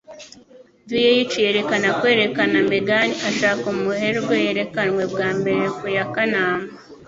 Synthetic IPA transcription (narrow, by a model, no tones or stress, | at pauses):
dujejit͡ʃije̞ːɾe̞kanakweːɾe̞kanameɡaniʔaʃaːkumuheɾɡwejeɾe̞kanwe̞bɡaːmbe̞ɾekujakanaːmḁ